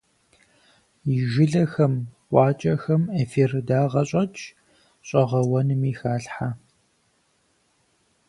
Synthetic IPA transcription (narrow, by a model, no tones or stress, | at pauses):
jɪʒɪɮɐxɐmʔʷʼɑːt͡ʃʼɐxɐmeːfirdaːʁɐɕʼɐt͡ʃʰʼ | ɕʼɐʁɐwɐnɨmiːxaːɬħa